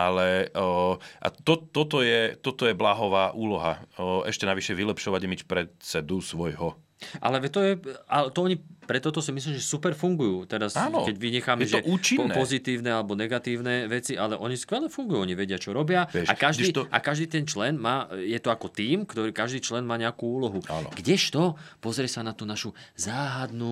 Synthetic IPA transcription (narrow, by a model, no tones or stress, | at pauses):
ʔalɛ | ʔa̰t̪ɔt̪ːɔt̪ɔjɛt̪ɔt̪ɔjɛblaːɦɔʋaːʔuːlɔɦa̰ɛ̰ʃcɛnaʋiʃɛʋilɛpʃɔʋaɟmicfpɾɛsɛd̪usʋɔjɦɔ | ʔa̰lɛʋɛt̪ɔjɛalɛt̪ɔɔɲipɾɛt̪ɔt̪ɔsimisliːmʒɛsupɛɾfuŋɡujuːt̪ɛɾasnɔ̰kɛɟʋiɲɛxaːmjɛʒɔɛʔuːt͡ʃinːpɔzit̪iːʊnɛalɛbɔnɛɡat̪iːʊnɛʋɛt͡siʔalɛʔɔɲiskʋɛlɛfuŋɡujuːɔɲiʋɛɟɪat͡ʃɔɾɔbɪaɛʃakaʒiːʔa̰kaʒd̪iːt̪ɛnt͡ʃlɛnmaːjɛt̪ɔakɔt̪iːmkt̪ɔɾiːkaʒd̪iːt͡ʃlɛnmaːɲɛakuːuːlɔɦua̰nɔ̰ɡɟɛʃt̪ɔpɔzɾɪɛsanat̪uːnaʃuzaːɦad̪nuː